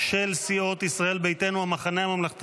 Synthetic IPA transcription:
ʃelsio̞t̪isʁae̞lbejt̪e̞nuamaχaneamamlaχt̪

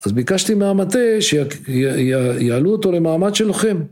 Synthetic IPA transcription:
azbikaʃt̪imaamat̪eʃe | jaaluot̪o̞le̞maamad̪ʃelaχe̞m

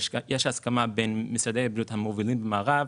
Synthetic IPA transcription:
ʃjeʃaskamabenmisad̪ejabijut̪hamovilimbemaːʁav

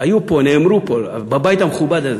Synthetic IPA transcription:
ajuponeːmɾupol | babajt̪ameχubad̪az

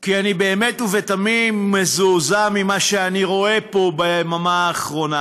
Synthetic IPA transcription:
kianibeːmetuvet̪amimːezuzamimaʃeaniʁo̞e̞po̞bemamaːχʁo̞na

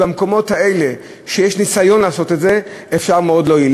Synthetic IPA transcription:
bamko̞mo̞thae̞le̞ | ʃejeʃnisajo̞nlaːso̞t̪etze̞ | efʃaʁmeo̞d̪lo̞jin

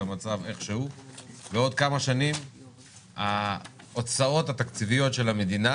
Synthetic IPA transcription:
amat͡save̞χʃehuveo̞d̪̚kamaʃanim | a | ot͡sao̞t̪hat̪akt͡sivijo̞t̪ʃe̞lamed̪ina

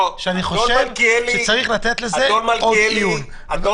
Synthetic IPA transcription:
ʃeaniχoʃevklʃet͡saʁiχlat̪e̞t̪lezeomaodijun

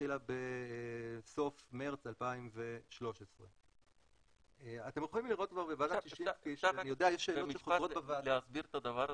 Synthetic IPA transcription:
ilabe | so̞fmeʁt͡salpaimve̞ʃlo̞ʃesʁe | eat̪emʁoχimliʁo̞t̚kvaʁbevad̪aʃiʃikiʃanijod̪eajeʃːe̞ːlomiʃeozaobevaleazbiʁetad̪avaʁ

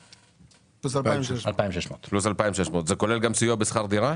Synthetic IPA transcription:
plusalaalpaimʃeʃmot̪plusalpaimʃeʃmot̪zeko̞le̞lɡamsujobesχaʁd̪iʁa

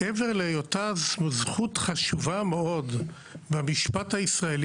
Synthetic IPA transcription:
eveʁlejotazmazχutχaʃuvameo̞d | bemiʃpathaisʁae̞l

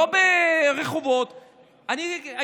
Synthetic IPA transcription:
obeʁeχuvot̪ | ania

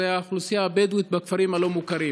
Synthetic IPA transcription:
ajaχlusijaːbed̪wit̪̚bakfaɾimhalo̞mukaɾi

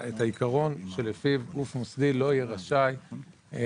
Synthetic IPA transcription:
et̪aikaʁo̞nʃe̞lefivɡufmosd̪ilo̞ijeʁaʃaj

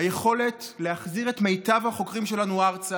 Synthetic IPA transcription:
aje̞χo̞le̞tleaχziʁetmejtavhaχo̞kʁimʃe̞lanuaʁt͡sa

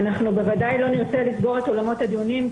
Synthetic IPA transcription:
naχnube̞vadajlo̞niʁt͡se̞lisɡo̞ʁet̪o̞lamo̞t̪had̪ijunim

